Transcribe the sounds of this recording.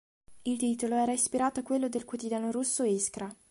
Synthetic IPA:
ilt̪iːt̪oloɛːɾaispiɾaːt̪oakwelːod̪elkwot̪id̪jaːnoɾusːoeskɾa

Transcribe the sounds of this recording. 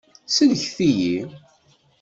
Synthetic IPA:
siðəçθiji

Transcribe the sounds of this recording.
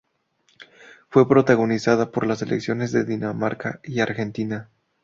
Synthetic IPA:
fwe̞pɾo̞t̪aɣo̞nisaðapo̞ɾlase̞leksjo̞ne̞zðe̞ðinamaɾkaiaɾxe̞nt̪ina

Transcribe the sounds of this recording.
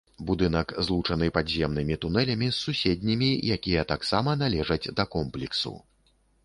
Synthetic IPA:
bud̪ɨn̪ɐkzlˠut͡ʂɐnɨpazʲɛmnɨmʲit̪unɛlʲɐmʲisːusʲed̪ʲnʲimʲijakʲijɐt̪aksamɐnalʲɛʐɐd͡zʲd̪ɐkɔmplʲiksṵ

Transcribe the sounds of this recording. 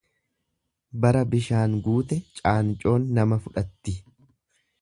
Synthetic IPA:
bɐɾɐbɪʃaːŋɡuːt̪ɛt͡ʃʼaːnt͡ʃʼo̞ːnːɐmɐfʊᶑɐt̪ːɪ

